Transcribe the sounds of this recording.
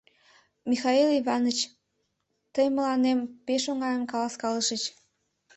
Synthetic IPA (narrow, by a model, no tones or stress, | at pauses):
mixɑiliβɑnət͡ɕ | t̪əjməlɑnempeʃoŋɑjəmkɑlɑskɑləʃət͡ɕ